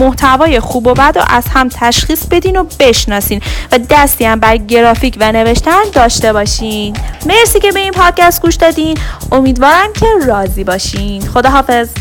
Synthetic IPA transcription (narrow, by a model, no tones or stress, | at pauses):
moht̪ʰævɒːje̞xuːbobæd̪ɾo̰ʔæz̥hæmt̪ʰæʃxiːsbe̞d̪iːnobe̞ʃnɒːsiːnvæd̪æst̪iæmbæɾɟe̞ɾɒːfiːcʰvæne̞ve̞ʃt̪ænd̪ɒːʃt̪e̞bɒːʃiːme̞ɾsiːce̞be̞inpʰɒːd̪̥̚cæst̪̚ɡuːʃd̪ɒːd̪iːno̞miːd̪vɒːɾæmcʲʰe̞rɒːziːbɒːʃiːnd̪xo̞d̪ɒːɦɒːfez